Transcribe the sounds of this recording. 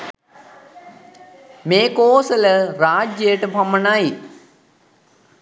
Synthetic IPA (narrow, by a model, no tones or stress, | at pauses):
meːkoːsələɾaːd͡ʒjəjəʈəpamənai